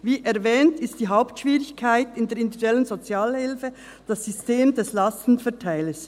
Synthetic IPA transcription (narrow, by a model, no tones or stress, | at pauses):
viːʔɛɾvɛːntɪstd̥iːɦaʊptʃv̥iːʁɪçkʰaɪtɪndeːɾɪnduɡɛlənzot͡sjaːlhɪlfə | d̥ɑsːysteːmd̥ɛslɑstn̩fɛɐtʰaɪləs